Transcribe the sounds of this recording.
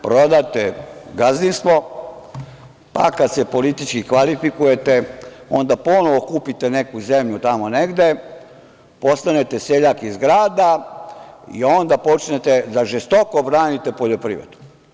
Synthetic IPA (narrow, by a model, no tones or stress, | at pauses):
pɾo̞d̪at̪eɡazninsmo̞ | pa̰kad̪sepo̞lit̪it͡ʃkikʋalifikuje̞t̪eo̞̰nd̪apo̞noʋokuːpit̪ene̞kuzemʎut̪amone̞ɡd̪e̞ | po̞st̪ane̞t̪eseʎakizɡɾaːd̪a | ḭo̞nd̪apo̞t͡ʃnet̪ezaʒest̪o̞kobɾaːnit̪e̞poʎopɾḭʋɾed̪u̥